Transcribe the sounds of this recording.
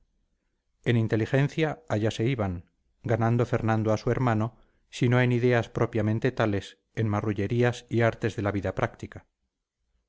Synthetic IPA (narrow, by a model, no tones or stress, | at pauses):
e̞nint̪e̞lixe̞n̟θjaaʎase̞iβaŋ | ɡanãnd̪o̞fe̞ɾnãnd̪oasue̞ɾmãno̞ | sino̞e̞niðe̞aspɾo̞pjamẽ̞nt̪e̞t̪ale̞s | e̞nmaruʝe̞ɾiasiaɾt̪e̞zðe̞laβiðapɾʔakt̪ika